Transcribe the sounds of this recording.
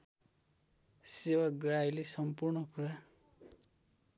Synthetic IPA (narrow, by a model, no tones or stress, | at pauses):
sewaɡɾajlisɔmpuɾɳɔkuɾa